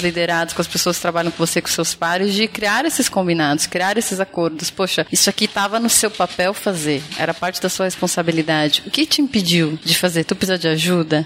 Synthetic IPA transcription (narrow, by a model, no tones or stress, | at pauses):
lid̪eɾad̪ʊskõɐspesoɐskɪ̥t̪ɾabaʎɐ̃w̃kõvosekõsewspaɾɪzd͡ʒɪkɾiaɾesɪskõmbinad̪ʊskɾiaɾesɪzakoɾd̪ʊspoʃɐisʊakit̪avɐnʊsewpapɛwfazeɾɛ̰ɾɐpaɾt͡ʃɪd̪ɐsuɐhespõsabilid̪ad͡ʒɪʊkɪt͡ʃɪĩpid͡ʒiwd͡ʒɪfazeɾt̪upizad͡ʒɪaʒud̪ɐ